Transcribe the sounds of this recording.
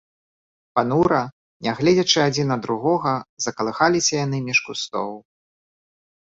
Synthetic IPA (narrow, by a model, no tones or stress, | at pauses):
panuɾɐ | nʲaɣlʲɛd͡zʲɐt͡ʂɨad͡zʲinɐd̪ɾuɣɔɣɐzɐkɐlˠɨxalʲisʲɐjanɨmʲiʂkust̪ɔ̰wˠ